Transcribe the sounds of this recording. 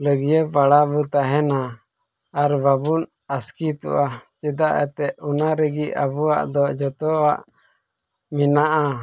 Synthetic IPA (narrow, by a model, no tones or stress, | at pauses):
ləɡijəpaɽabut̪aɦɛnaː | ɾbabun | askit̪ɔ̰ʔat͡ʃɛd̪aʔɛ̰t̪ɛʔunaɾəɡiʔabuaʔd̪ɔd͡ʒɔt̪ɔaʔ | minaʔa